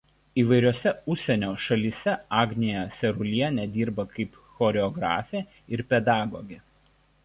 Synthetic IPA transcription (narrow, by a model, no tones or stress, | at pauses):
iːʋɐɪɾʲoːsʲɛʊʃʲsʲɛnʲoːʃɐlʲiːsʲɛɑːɡʲnʲejɛsʲɛɾʊlʲiɛnʲɛd̪ʲiːɾbɐkɐɪp | xɔːɾʲɛɔɡɾɑ̰ːfʲeː | ɪɾpʲɛd̪ɑːɡoːɡʲe